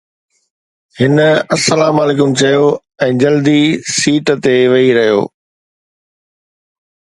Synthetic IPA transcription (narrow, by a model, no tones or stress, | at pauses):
hɪnəɐsːɐlaːmaːleːkʊmt͡ɕɐjo | ɛ̃ːd͡ʑɐld̪isiːʈt̪eʋɐiɾɐɦijo̰ː